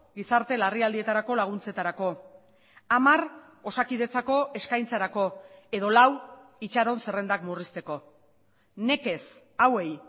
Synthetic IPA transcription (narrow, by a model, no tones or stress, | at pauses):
ɡisaɾt̪e̞lariald̪ie̞t̪aɾako̞laɣ̞unt͡se̞t̪aɾako̞ | amar | o̞sakið̞e̞t͡sako̞ʔe̞skajnt͡saɾako̞e̞ð̞o̞lawit͡ʃaɾo̞nse̞re̞nd̪akmurist̪e̞ko̞ | ne̞ke̞s | awe̞j